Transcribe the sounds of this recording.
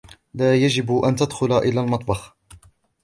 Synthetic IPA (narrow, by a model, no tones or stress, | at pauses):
laːjad͡ʒɪbʔant̪ad̪xʊlaʔɪlːaːlmɑt̪ˤbɑx